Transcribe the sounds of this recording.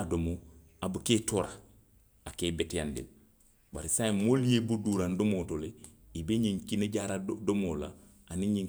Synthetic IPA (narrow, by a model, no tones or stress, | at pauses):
adomo | abuketoɾa̰ | akeːbetjandḭl | ba̰ɾisaimolijebuduɾandomotoleibeɲiŋkineɟaɾadomola̰ | aniɲi